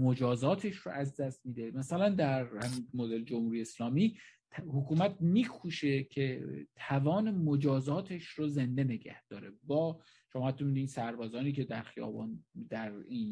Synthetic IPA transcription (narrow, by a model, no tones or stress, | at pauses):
mod͡ʒɒːzɒːt̪ʰeʃro̰ʔæzd̪æst̪miːd̪emæsælænd̪æɾhæminmod̪eld͡ʒomhuːɾijeeslɒːmiː | hokʰuːmæt̪̚ʰmiːkʰuːʃecʰet̪ʰævɒːne̞mod͡ʒɒːzɒːt̪ʰe̞ʃroze̞nd̪e̞ne̞ɡæ̰hd̪̥ɒːɾebɒː | ʃomɒːhæt̪ːɔmid̪iːsæɾbɒːzɒːniːcʰe̞d̪æɾxijɒ̰ːbɒ̰ːnd̪æɾiːn